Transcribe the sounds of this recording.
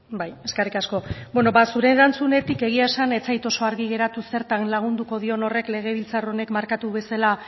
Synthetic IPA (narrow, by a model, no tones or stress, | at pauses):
baje̞skerikasko̞bweno̞βasuɾe̞ɾant͡sune̞t̪ike̞ɣ̞iaesane̞t͡sajt̪o̞so̞aɾɣiɣ̞e̞ɾat̪use̞ɾt̪anlaɣ̞und̪uko̞ðio̞no̞re̞kle̞ɣ̞e̞βilt͡saro̞ne̞kmaɾkat̪uβe̞sala